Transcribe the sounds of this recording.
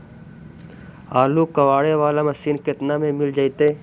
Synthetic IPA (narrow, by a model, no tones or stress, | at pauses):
aːluːkəʋaːɽeːʋaːlãːməsiːnkɪt̪naːmẽːmɪld͡ʒaːit̪eː